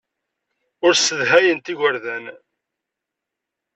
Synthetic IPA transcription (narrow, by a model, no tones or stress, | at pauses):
ʊɾsəðɦæjənt̪iʝʷəɾðæn